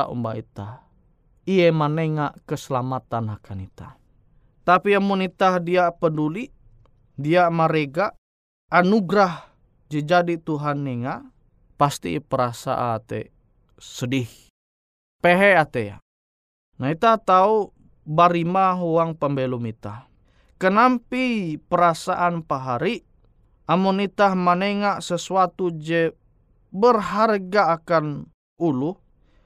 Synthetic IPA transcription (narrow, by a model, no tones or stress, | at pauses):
aʔṵmbaḭt̪ah | ijemaneŋaʔkəsəlamat̪anakʰanit̪a | t̪apiamunit̪ahdiapənduliʔ | diamaɾeɡaʔ | anuɡɾah | d͡ʒəd͡ʒadit̪uɦanːeŋaʔ | past̪ḭpəɾasa̰ʔat̪ḛ | sədih | peɦɛat̪eja̰ | nait̪aht̪au | baɾimaɦuaŋpəmbɛlumit̪ah | kənampipəɾasaʔanpaɦaɾi | ʔamunit̪ahmaneŋaʔsəsuat̪ud͡ʒɛ | bərɦarɡaːkan | uluh